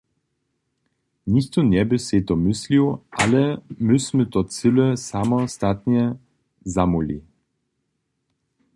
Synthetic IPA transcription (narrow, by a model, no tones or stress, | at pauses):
nixt̪ɔnɛbɪset̪ɔmɪsliwalɛmusʲmɨt̪ɔt͡sɪlɛsamɔst̪at̪ɲɛ | zamulḭ